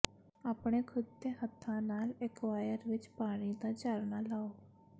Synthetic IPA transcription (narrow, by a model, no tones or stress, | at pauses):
aːpɽ̃eːkʰʊd̪̚t̪eːɦət̪ʰːãːnaːlekʋaːjəɾʋɪt͡ʃpaːɽ̃iːd̪aːd͡ʒaːɾnaːlaːoː